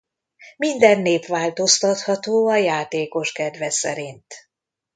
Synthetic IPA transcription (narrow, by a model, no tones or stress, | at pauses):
mind̪ɛnːeːpʋaːlt̪o̞st̪ɒt̪hɒt̪oːɒjaːt̪eːko̞ʃkɛd̪ʋɛsɛ̰ɾint̪